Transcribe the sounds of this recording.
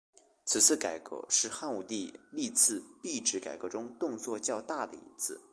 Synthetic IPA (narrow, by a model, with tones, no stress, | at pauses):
t͡sʰɹ̩˨˩t͡sʰɹ̩˥˩ka˨˩ɪkɤ̰˧˥ʂɻ̩˥˧xa˥˩nu˨˩t̪i˥˧li˥˧t͡sʰɹ̩˥˧pi˥˩ʈ͡ʂɻ̩˧˥ka̰˨˩ɪkɤ˧˥ʈ͡ʂʊ˥ŋt̪ʊ˥˧ŋt͡swɔ˥˧t͡ɕjɑ˥˧ʊt̪a˥˩d̪ə̰˩ḭ˧˥t͡sʰɹ̩˥˩